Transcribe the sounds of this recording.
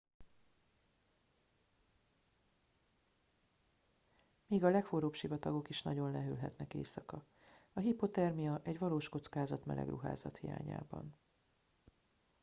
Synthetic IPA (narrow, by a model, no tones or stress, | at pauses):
miːɡɒlɛkfoɾoːpʃivɒt̪ɒɡo̞kiʃnɒɟo̞nlɛɦøːlɦɛt̪nɛkḛːsɒkɒ | ɒɦipo̞t̪ɛrmijɒʔɛɟʋɒloːʃko̞t̪skaːzɒt̪mɛ̰lɛ̰ɡrṵɦa̰ːzɒt̪hija̰ːɲa̰ːbɒ̰n